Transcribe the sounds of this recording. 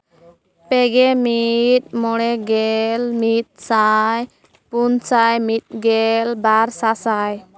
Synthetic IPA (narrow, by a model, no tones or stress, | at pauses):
pɛɡɛmit̪̚mɔɽ̃ɛɡɛlmit̪̚saj | punsajmit̪̚ɡɛlbaɾsasaj